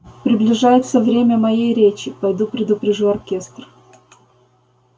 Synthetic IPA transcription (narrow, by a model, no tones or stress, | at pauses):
pɾʲɪblʲɪʐajɪt̪səvɾʲemʲəmɐjejɾʲet͡ɕɪpɐjd̪upɾʲɪd̪ʊpɾʲɪʐuɐrkʲe̞st̪r